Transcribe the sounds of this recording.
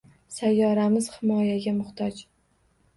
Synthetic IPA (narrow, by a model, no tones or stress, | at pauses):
sajːɒɾamɪz̥hɪmɒjaɡʲamʊχt̪ʰɒd͡ʒ